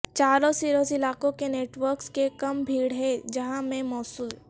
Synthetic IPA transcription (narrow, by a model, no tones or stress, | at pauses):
t͡ʃaːɾõsiːɾoːsɪlaːkõkeneːʈʋəɾkskekɐmbʱiːɽɦɛd͡ʒɐɦãmẽmɔːsuːl